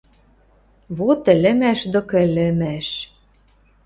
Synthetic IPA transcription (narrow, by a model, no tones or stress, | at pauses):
βot̪ɘ̆lɘ̆mæʃd̪okĕlɘ̆mæʃ